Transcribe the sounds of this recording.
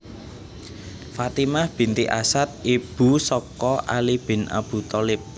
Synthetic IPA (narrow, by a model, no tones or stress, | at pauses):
fat̪imahb̥i̤nt̪iʔasat̪̚ib̥ṳsɔkɔʔa̰lib̥ɪ̤na̰b̥ṳt̪ɔlɪp̚